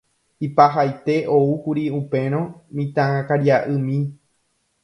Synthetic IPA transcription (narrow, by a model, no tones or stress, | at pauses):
ipaɦajt̪e̞ʔoukuɾiupẽ̞ɾ̃õmĩt̪ããkaɾiaʔɨmĩ